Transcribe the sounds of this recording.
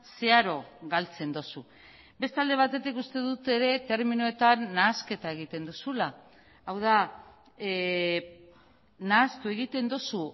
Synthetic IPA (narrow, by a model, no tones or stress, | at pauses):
se̞aɾo̞ɣalt͡se̞nd̪o̞su | be̞st̪ald̪e̞β̞at̪e̞t̪ikust̪e̞ðut̪e̞ɾe̞t̪e̞ɾminoe̞t̪anːaːske̞t̪ae̞ɣ̞it̪e̞nd̪usula | awð̞a | naːst̪ue̞ɣ̞it̪e̞nd̪osu